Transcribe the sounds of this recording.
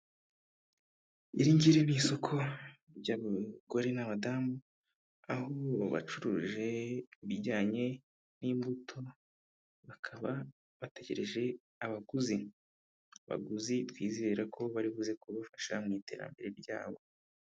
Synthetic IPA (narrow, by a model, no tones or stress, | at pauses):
iɾiɲɟiɾeniːso̞kʰo̞ | bɟaːɡuɡoɾinamadaːmu | ahoβa̰t͡ʃuɾuːʒe̞βiɾɟaːɲe̞ | niːmbutʰo̞ | βakʰaβa | βate̞ɟe̞ɾe̞ʒe̞ | aβaɡuzi | aβa̰ɡuzitwiːzeɾakʰo̞βaɾiβuze̞kuβafaʃamŋiːte̞̰ːɾa̰mbe̞ɾe̞ɾja̰ːβo̞